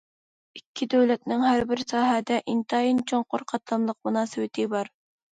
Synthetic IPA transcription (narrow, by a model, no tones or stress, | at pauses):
ɪkʲʰːɪd̪øwlɛt̪nɪŋhæɾbɪɾsɑːɦæd̪ɛʔint̪ɑjint͡ʃʰoɴqʰoɾqʰɑt̪lˠɑmlˠɤq̚munɑːswɪt̪ʰɪbɑɾ